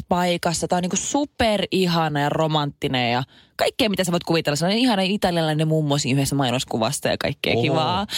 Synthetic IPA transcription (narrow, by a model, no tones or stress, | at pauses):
pɑikɑsːɑt̪æˑoniːkussuperiɦɑnɑjɑromɑnt̪ːinejjɑ | kɑikːeːmit̪æsɑʋoit̪̚kuʋit̪elːɑsɑnoiihɑnɑit̪ɑliɑlːɑnemumːosḭnyhest̪æmɑinoskuʋɑ̰st̪ɑjɑ̰kɑ̰ikːḛːkiʋɑː